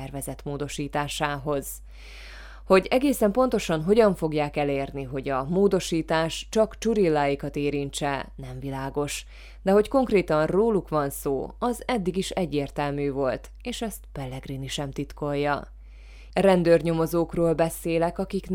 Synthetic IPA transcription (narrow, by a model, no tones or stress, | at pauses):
ɛrvɛzɛt̪moːd̪o̞ʃiːt̪aːʃaːɦo̞z̥ | ho̞ɟɛɡeːsɛmpo̞nt̪o̞ʃɒnɦo̞ɟɒɱfo̞ɡjaːkɛleːrniɦo̞ɟɒmoːd̪o̞ʃiːt̪aːʃt͡ʃɒkt͡ʃuɾilːaːjikɒt̪eːɾiɲt͡ʃɛnɛɱvilaːɡo̞ʃ | d̪ɛɦo̞cko̞ŋkreːt̪ɒnroːlukʋɒnsoːɒzɛd̪ːiɡiʃɛɟːeːrt̪ɛlmyːvo̞lt̪ | eːʃɛst̪pɛlːɛɡriniʃɛmt̪it̪ko̞jːɒ̰ | rɛnd̪øːrɲo̞mo̞zoːkroːlbɛseːlɛkɒkikn